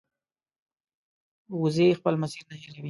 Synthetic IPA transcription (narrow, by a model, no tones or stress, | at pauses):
wʊzexpəlmasiɾnaheɾawi